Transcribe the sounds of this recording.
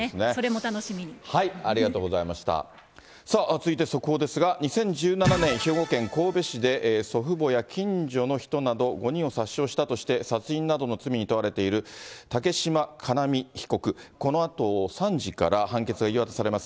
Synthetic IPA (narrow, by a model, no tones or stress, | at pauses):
nesoɾemot̪anoɕimʲiɲihaiaɾʲiɡat̪oːɡo̞zaimaɕi̥t̪a̰ | saːʔt͡sɨit̪e̞so̞kod̪e̞sɨɡaɲ̟isẽ̞ɲ̟d͡ʑɨːnananẽ̞ɰ̃çoːɡo̞kẽ̞ŋko̞ːbe̞ɕid̪e̞ʔso̞ɸɯ̟bo̞jakʲʰĩɲd͡ʑo̞no̞çi̥t̪o̞nad̪o̞ɡo̞ɲ̟ĩɰ̃o̞saɕːo̞ːɕi̥t̪at̪o̞ɕi̥t̪e̞sat͡sɨĩnːad̪o̞no̞t͡sɨmʲiɲ̟it̪oaɾe̞t̪e̞iɾɯ̟t̪ake̞ɕimakʰanamʲiçi̥ko̞kɯ̟ko̞no̞at̪o̞sãɲd͡ʑika̰ɾahãŋke̞t͡sɨɡaiβat̪asaɾe̞masɨ̥